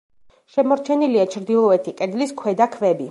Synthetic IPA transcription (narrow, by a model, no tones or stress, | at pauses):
ʃɛmɔɾt͡ʃʰɛniliat͡ʃʰɾd̪ilˠɔɛt̪ʰikʼɛd̪liskʰwɛd̪akʰvɛbi